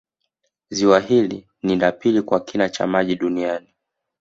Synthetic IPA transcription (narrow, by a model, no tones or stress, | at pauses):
ziwaɦili | nindapilikwakinat͡ʃa̰maʄiɗuniani